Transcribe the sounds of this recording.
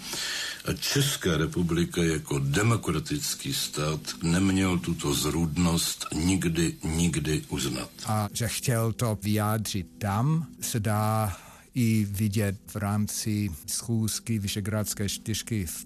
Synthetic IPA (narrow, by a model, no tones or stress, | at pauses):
ʔat͡ʃɛskaːɾɛpublɪkajakodɛmokɾat̪ɪt͡skiːst̪aːt̪nɛmɲɛlt̪ut̪ozɾudnost̪ɲɪɡdɪɲɪɡdɪʔuzna̰t̪ʔaʒɛxcɛlt̪ovɪjaːdr̝̥ɪt̪̚ːamsɛdaː | jɪvɪɟɛt̪vɾaːmt͡sɪsxuːskɪvɪʃɛɡɾat͡skɛːt͡ʃt̪ɪr̝̥kɪ